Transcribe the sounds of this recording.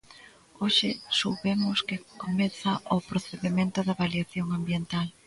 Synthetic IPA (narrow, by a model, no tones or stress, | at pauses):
oʃɪsoβemʊskɪkomeθɐʔʊpɾoθeðemẽnt̪ʊðɐβaljaθjoŋambjent̪al